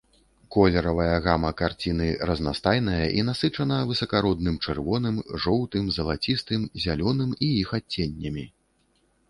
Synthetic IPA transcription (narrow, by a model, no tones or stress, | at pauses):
kɔlʲɛɾɐvɐjɐɣamɐkart͡sʲinɨɾɐznast̪ajnɐjɐʔinasɨt͡ʂɐn̪ɐvɨsɐkaɾɔd̪nɨmt͡ʂɛrvɔnɨmʐɔwt̪ɨmzɐlˠat͡sʲist̪ɨmzʲalʲɔnɨmijixat͡sʲːenʲːɐmʲi